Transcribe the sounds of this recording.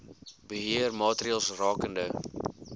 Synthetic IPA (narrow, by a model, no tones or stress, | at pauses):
bəɦiərmɑːtriɑlˠsrɑːkəndə